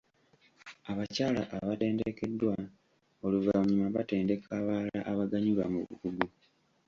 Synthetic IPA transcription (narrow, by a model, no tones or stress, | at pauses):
aβacaːlaʔːβate̞ːndeke̞dːwa | o̞luvaɲimaβate̞ːnde̞kʰaβaːla̰ʔaβaɡaɲiβa̰muβṵkuɡu